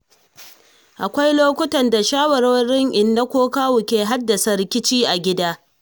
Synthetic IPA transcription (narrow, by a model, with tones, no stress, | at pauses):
ʔa˨kʷa˦jloː˦kʷʊ˦tɐ˨nda˨ʃaː˦wɐ˨ɾa˦wɽɪ˦ŋʔɪ˨nːa˦kʷoː˦kaː˦wʊ˨kʲeː˨ɦa˦dːa˨sa˨ɾɪ˦kʲɪ˦t͡ʃiː˦ʔa˨ɡʲɪ˦daː˦